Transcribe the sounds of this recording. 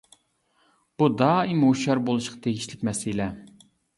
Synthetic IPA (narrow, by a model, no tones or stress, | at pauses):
b̥ud̪ɑːimoʃɑɾbolˠuʃqʰɑ̥t̪ʰeɡʲiʃlɪkʲmɛsɪlɛ